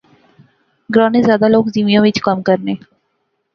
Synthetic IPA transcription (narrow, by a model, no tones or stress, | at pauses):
ɡɾãːneːzjaːd̪aloːkziːmijõːʋɪt͡ʃkəmkəɾneː